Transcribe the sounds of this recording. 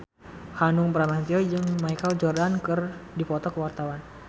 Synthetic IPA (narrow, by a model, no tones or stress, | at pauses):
hanʊŋbəɾamant̪iɔd͡ʒɨŋmajkəld͡ʒɔrdankɨrdipɔt̪ɔkəwart̪awan